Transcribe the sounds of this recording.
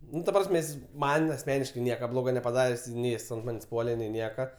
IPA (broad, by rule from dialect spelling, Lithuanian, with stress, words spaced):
ˈnʊ tɐ ˈprɑːsʲmʲɛ ˈjɪs ˈmɐn ɐsʲˈmʲæːnʲɪʃkɐɪ ˈnʲiɛkɐ ˈblˠoːɡɐ nʲɛpɐˈdɑːrʲeːsʲ ˈnʲɛɪ ˈjɪs ɐnt ˈmɑːnʲeːsʲ ˈpuɔlʲɛ nʲɛɪ ˈnʲiɛkɐ